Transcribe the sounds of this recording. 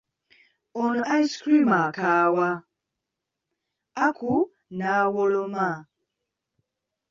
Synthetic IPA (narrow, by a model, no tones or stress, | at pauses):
ɔnajskɾimakaːwa | akʰu | nawɔlɔma